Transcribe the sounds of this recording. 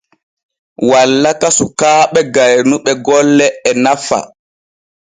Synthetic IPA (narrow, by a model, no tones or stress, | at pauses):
walːakasukaːɓɛɡajnuɓɛɡɔlːɛɛnafa̰